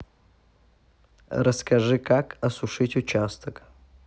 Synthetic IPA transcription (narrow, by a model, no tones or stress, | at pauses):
rɐskʰɐʐɨkakʰɐsuʂɨtʲut͡ʃʰast̪ʰəkʼ